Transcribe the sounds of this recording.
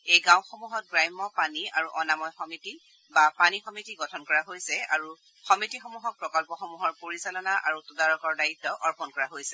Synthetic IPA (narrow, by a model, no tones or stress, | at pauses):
ejɡãw̃xɔmuɦɔt̚ɡɹajmːɔpaniaɹuʔɔnamɔjxɔmiti | bapanixɔmitiɡɔtʰɔnkɔɹaɦojsɛa̰ɹu | xɔmitixɔmuɦɔk̚pɹɔkɔlpɔxɔmuɦɔɹpoɹisalɔnaʔaɹutudaɹɔkɔɹdaitːɔʔɔɹpɔnkɔɹaɦojsɛ